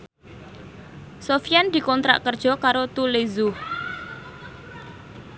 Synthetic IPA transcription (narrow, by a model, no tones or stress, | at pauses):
sofiand̪̥i̤kɔnt̪ɾa̰ʔkərd̥ʒ̥ɔ̤kaɾot̪ulezu